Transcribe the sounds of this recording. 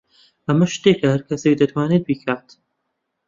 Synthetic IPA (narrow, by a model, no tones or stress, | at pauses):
ɐmɐʃt̪ekʰɐhɐɾkʰɐsek̚d̪ɐt̪ʰwaːnet̪̚bikʰaːt̪